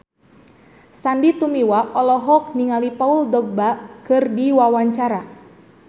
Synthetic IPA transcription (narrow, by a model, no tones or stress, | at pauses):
sandit̪umiwaʔɔlɔɦɔk̚niŋalipauldɔɡ̚bakɨrdiwawaɲt͡ʃaɾa